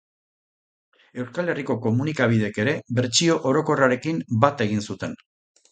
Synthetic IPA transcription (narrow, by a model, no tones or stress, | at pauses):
e̞wskale̞riko̞ko̞munikaβ̞ið̞e̞ke̞ɾe̞βe̞ɾt͡sio̞ʔoɾo̞ko̞raɾe̞kimbat̪e̞ɣinsut̪e̞n